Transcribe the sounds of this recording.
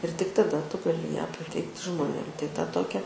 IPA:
ɪr tʲɪk tɐˈdɐ ˈtʊ ɡɐˈlʲɪ jæː pɐˈtʲɛɪktʲɪ ʒmoːˈnʲeːm tɐɪ tɐ ˈtoːkʲɛ

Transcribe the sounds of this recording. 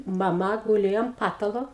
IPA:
mɐˈmɐ ɡʊˈlʲeːjoː ɐm ˈpɑːtɐlˠoː

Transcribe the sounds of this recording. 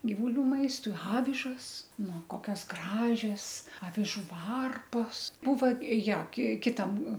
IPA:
ɡʲɪʋʊˈlʲuː ˈmɐɪstʊɪ ˈɑːʋʲɪʒɐs nʊ ˈkoːkʲɛs ˈɡrɑːʒʲɛs ɐʋʲɪˈʒuː ˈʋɐrpoːs ˈbuːʋɐ ˈjoː kʲɪ kʲɪˈtɐm

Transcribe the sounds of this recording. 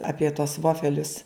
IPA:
ˈɑːpʲiɛ tuɔs ˈʋoːfʲɛlʲʊs

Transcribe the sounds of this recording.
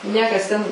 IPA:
ˈnʲiɛkɐs tʲɛn

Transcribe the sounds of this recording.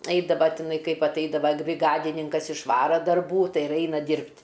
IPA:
ˈɐɪdɐʋɐ tʲɪˈnɐɪ ˈkɐɪp ɐtˈɐɪdɐʋɐ bʲrʲɪˈɡɑːdʲɪnʲɪŋkɐs ɪʃˈʋɑːrɐ dɐrˈbuː ˈtɐɪ ɪr ˈɐɪnɐ ˈdʲiːrʲpʲtʲ

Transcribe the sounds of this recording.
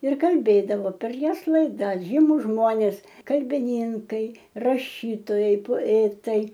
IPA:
ɪr kɐlʲˈbʲeːdɐʋoː pʲɛr ˈjoːs lˠɐɪˈdɐs ˈʒʲiːmʊs ˈʒmoːnʲeːs kɐlʲbʲɪˈnʲiːŋkɐɪ rɐˈʃʲiːtoːjɛɪ poːˈæːtɐɪ

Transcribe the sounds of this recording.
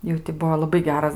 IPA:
ˈjɛʊ tʲɪ ˈbuɔ lˠɐˈbɐɪ ˈɡʲæːrɐs

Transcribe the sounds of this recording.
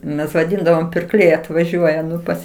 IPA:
mʲɛs ʋɐˈdʲɪndɐʋoːm pʲɪrˈklʲɛɪ ɐtʋɐˈʒʲuɔjɛ ˈnʊ ˈpɐs

